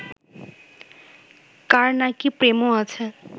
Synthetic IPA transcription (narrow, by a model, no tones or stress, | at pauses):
kaɾnakipɾemoat͡ɕʰe